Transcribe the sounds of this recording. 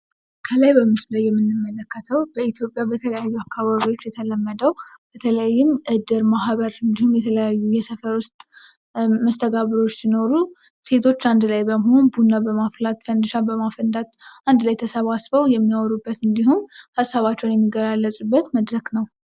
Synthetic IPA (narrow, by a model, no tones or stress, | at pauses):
kʰəlajbəmːɨt̪ʰləjːɛmːɨnːɨmːələkːət̪ʰəwbəit̪ʰjo̞pʼjabət̪ʰələjajːuakːaβaβio̞t͡ʃːjɛt̪ʰələmːəd̪əwb̥ət̪ʰələjajːɪmʔɨd̪ɨɾmaɦβəɾɨnd̪ihumjɛt̪ʰələjajːujɛsəfəɾwʊst̪ʼ | məst̪ʰəɡaβɨɾo̞t͡ʃːsino̞ɾu | se̞t̪ʰo̞t͡ʃːand̪lajbəmho̞nbunːabəmaflat̪fənd̪ɨʃabəmafənd̪at̪ʔand̪lajt̪ʰəsəβasbəwjɛmːiɔɾubːət̪ɨnd̪iɦumhasːaβat͡ʃːɛwnjɛmːiɡəɾalːəsʼubːət̪məd̪ɾəknəw